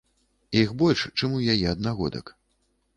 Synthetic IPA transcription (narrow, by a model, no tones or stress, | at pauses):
ixbɔlʲʂt͡ʂɨmujajɛɐd̪naɣɔd̪ɐ̰k